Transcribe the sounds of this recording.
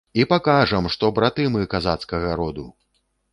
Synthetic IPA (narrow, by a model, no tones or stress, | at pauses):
ipakaʐɐmʂt̪ɔbɾat̪ɨmɨkazat̪skɐɣɐɾɔd̪u